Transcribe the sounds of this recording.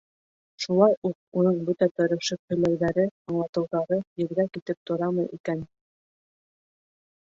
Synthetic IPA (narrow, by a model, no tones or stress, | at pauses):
ʃulˠɑjuq̚unɤɴbɵt̪æt̪ɵ̆ɾɵ̆ʃɘk̚hɵ̆læjðæɾɘɑɴlˠɑt̪ɤ̆wðɑɾɤjɘ̆ɾɡækit̪ɘp̚t̪ŏɾɑmɤjʔḭkæn